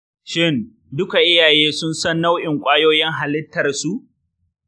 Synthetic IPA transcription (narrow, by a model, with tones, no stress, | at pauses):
ʃɪ˦˨n | dʊ˦ka˨ʔɪ˦jaː˨jeː˦sʊ˦nsɐ˦nːa˦wʔɪ˨ŋkʷʼaː˦joː˦jɛ˦ŋɦa˨lɪ˦tːɐ˨rsu˦ʔ